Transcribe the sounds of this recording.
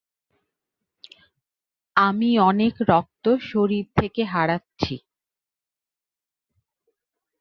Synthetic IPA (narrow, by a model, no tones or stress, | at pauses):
amiɔnekɾɔk̚t̪oʃoɾiɾt̪ʰekeɦaɽatːɕʰi